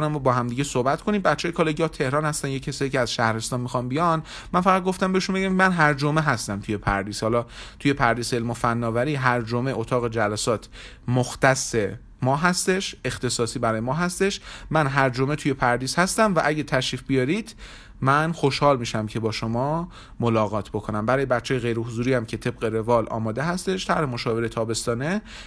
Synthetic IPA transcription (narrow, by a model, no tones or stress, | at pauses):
næmbɒːɦæmd̪iːɟesohbæt̪kʰo̞nimbætt͡ʃʰːeːjkʰɒːleɡɒːt̪ʰe̞hɾɒːnhæst̪ænjekcʰːæsɒːjiceæzʃæhɾe̞st̪ɒːnmixɒnbijɒn | mænfæʁæd̪̚ɡoft̪æmbeeʃunbeæmmænɦæɾd͡ʒome̞ɦæst̪æmt̪ʰuje̞pʰæ̰ɾd̪iːshɒlɒːt̪ʰuje̞pʰæɾd̪iːseelmofænːɒːvæɾiːɦæɾd͡ʒomeʔot̪ʰɒːɣe̞d͡ʒælæsɒːt̪ʰ | moxt̪æsːe̞ | mɒːɦæst̪e̞ʃe̞xt̪e̞sɒːsiːbæɾɒːjemɒːɦæst̪e̞ʃmænɦæɾd͡ʒome̞t̪ʰuje̞pʰæɾd̪iːz̥hæst̪æmvæʔæɟæt̪ʰæʃɾiːfbijɒːɾid̪̥ | mænxoʃhɒːlmiːʃæmcʰe̞bɒːʃomɒː | molɒːɣɒːt̪ʰbo̞kʰo̞næmbæɾɒːjebæt̪t͡ʃʰːeːjeɣe̞jɾe̞hozuːɾiːjæmcʰe̞t̪ʰe̞b̥̚ɢe̞ɾe̞vɒːlʔɒ̰ːmɒːd̪e̞ɦæst̪e̞ʃt̪ʰæɾhe̞mo̞ʃɒːve̞ɾet̪ʰɒːbe̞st̪ɒːne